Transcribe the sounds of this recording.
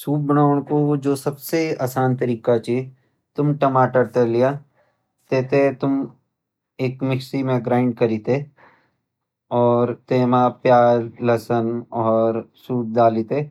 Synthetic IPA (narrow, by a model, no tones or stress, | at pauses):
suːp̚bɐɽaːʋəɽ̃kod͡ʒoːsɐbseaːsaːnt̪ɐɾiːkat͡ʃi | t̪ʊmʈɐmaːʈəɾt̪ɐlijaː | t̪eːt̪et̪ʊm | eːkmɪksimẽɡɾaːɪ̃ɳɖ̚kɐɾiːt̪e | ɔːɾt̪eːmapjaːɾlɐsənɔːɾsuːp̚d̪aːlit̪e